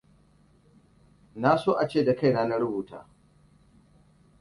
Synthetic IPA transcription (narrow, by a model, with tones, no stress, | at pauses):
na˦soː˦ʔa˨t͡ʃeː˦˨da˨ka˦jnaː˦na˦ɽʊ˦buː˨ta̰ː˨